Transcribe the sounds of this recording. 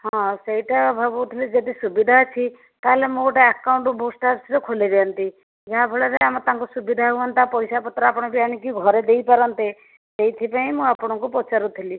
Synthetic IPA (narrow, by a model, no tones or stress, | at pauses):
ɦɔ̃seiʈabʱabut̪ʰilid͡ʒɔd̪isubid̪ʱat͡ʃʰi | t̪aɦelemũɡoʈaakːawɳʈubosʈaɾsɾɔkʰoliɾɛɔnt̪i | d͡ʒaɦãbʱoɭaɾeamɔt̪ãŋkusubid̪ʱaɦuɔnt̪apɔjsapɔt̪ːɾɔapɔɽ̃ɔbianikiɡʱɔɾed̪ejpaɾɔnt̪e | sejt̪ʰipaĩmũapɔɽ̃ɔ̃kupɔt͡ʃaɾut̪ʰili